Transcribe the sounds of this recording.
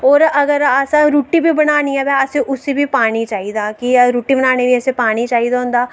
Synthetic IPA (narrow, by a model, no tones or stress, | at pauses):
ɔːɾɐɡəɾaːsãɾuːʈːibʱibɐɽaːniɛbɛaseʔʊsebʱipaːnit͡ʃaːid̪aːkiɾuːʈːibəñaːnebʱiɛsepaːnit͡ʃaːid̪aɦõːnd̪aː